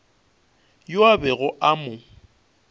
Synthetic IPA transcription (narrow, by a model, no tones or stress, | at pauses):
jʊabɛɣʊʔamʊ